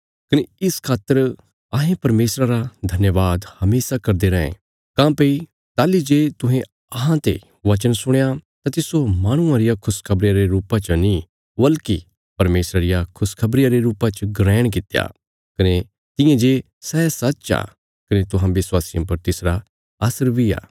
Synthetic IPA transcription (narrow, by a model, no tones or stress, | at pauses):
kɐneɪskʰaːt̪ːəɾ | ãːɦẽpɐɾmeːsɾaɾad̪ʱɐnjəʋaːd̪hɐmeːsakɐɾd̪eɾɐḛ̃ | kãːpei | t̪aːlid͡ʒeːt̪ʊ̃ɦẽ | ɐɦãt̪ḛ | ʋɐt͡ʃənsʊɽ̃ejat̪ãt̪ɪsomaːɽ̃ʊ̃ãɾɪjakʰʊskʰɐbɾɪjaɾeɾuːpãt͡ʃɐnĩ | bɐlki | pɐɾmeːsɾaɾɪjakʰʊskʰɐbɾɪjaɾeɾuːpãt͡ʃɡɾɛːɽ̃k̬ɪt̪ja̰ː | kɐne | t̪ɪ̃jẽd͡ʒeː | sɛːsɐtːt͡ʃa̰ː | kɐnet̪ʊɦãʋɪswaːsɪjõpɐɾt̪ɪsɾa | aːsəɾbʱia̰ː